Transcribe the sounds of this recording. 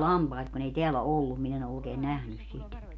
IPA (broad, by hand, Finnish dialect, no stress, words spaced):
lɑmpɑit kun ei teælæ olːum min en o oːkeː næhnys sit